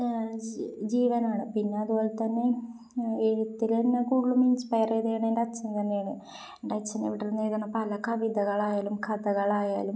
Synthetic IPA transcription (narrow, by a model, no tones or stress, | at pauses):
d͡ʑiːʋɐnaːɳɨpinːeɐðuboːlet̪ɐnːe̞ | eɻut̪ːilenːɐkuːɽːuminspɐjɐrejðejaːɳeɳɖeɐt͡ɕːɐnt̪ɐnːejaːɳɨ | enɖeɐt͡ɕːɐnḭʋiʈːiɾunːeiðaːɳːɐpɐlɐkɐʋid̪ɐɣɐɭaːjaːlumkʰɐd̪ɐɣɐɭaːja̰ːlum